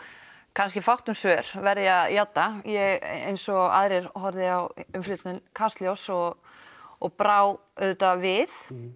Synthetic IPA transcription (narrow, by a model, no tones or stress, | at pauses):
kʰanskcɪfawht̪ʏmsœːɾ̥vɛɾðɪaðjawt̪ːajɛɣḛjnsɔa̰ðɾɪɾ̥hɔɾðɪawʏmflʏt̪nʏnkʰast̪ljowsɔɣ | ɔɣpɾaːw | œðt̪avɪθ